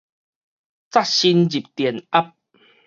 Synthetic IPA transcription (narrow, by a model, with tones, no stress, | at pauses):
t͡sa˥ɕi˧nd͡ʑi˨˩p̚t̪jɛ˨˩na˦p̚